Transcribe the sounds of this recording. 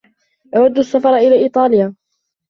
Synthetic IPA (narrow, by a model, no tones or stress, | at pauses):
ʔawad̪ːasːafɑɾˤɑʔɪlaːʔiːt̪ˤɑːlɪjaː